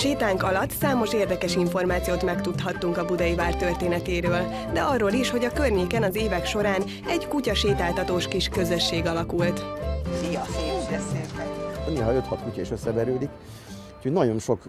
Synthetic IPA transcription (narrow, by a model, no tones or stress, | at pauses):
ʃeːt̪aːŋkɒlɒt̪ːsaːmo̞ʃeːrd̪ɛkɛʃiɱfo̞rmaːt̪sijoːt̪mɛkt̪ut̪ɦɒt̪ːuŋkɒbud̪ɒjivaːrt̪ørt̪eːnɛt̪eːɾøːl | d̪ɛɒrːoːliʃho̞ɟɒkørɲeːkɛnɒzeːvɛkʃo̞ɾaːn | ɛɟkucɒʃeːt̪aːlt̪ɒt̪oːʃkiʃkø̞zøʃːeːɡɒlɒkult̪fijɒfibɛseːlt̪ɛt̪yneːlɦɒøt̪hɒt̪kucɒiʃøsːɛbɛɾøːd̪ik | u̥cʰoɟnɒɟo̞nʃo̞k